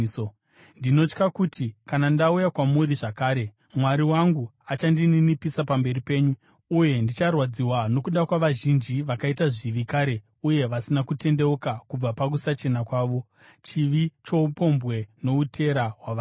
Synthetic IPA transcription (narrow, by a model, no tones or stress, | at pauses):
ndino̞t͡ʃkakutʰikanandaujakwamuɾiʐakaːɾe̞ | mwaɾiwaŋɡu | at͡ʃandininipisapambe̞ripe̞ːɲu | uje̞ndit͡ʃarwad͡ziwano̞kuɗakwaʋaʒind͡ʒiʋakaitaʐiʋikaɾe̞ | uje̞ʋasinakute̞nde̞ukakub͡vapak̬usat͡ʃe̞nakwaːʋo̞ | t͡ʃiʋit͡ʃo̞upo̞mbɣe̞no̞utʰe̞ɾaɦwaʋaː